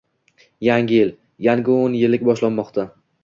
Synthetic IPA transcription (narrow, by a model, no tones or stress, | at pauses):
jaŋʲɪjɪl | jaŋʲɪonjɪlɪk̚ʲbɒʃlanːɒqt̪ʰa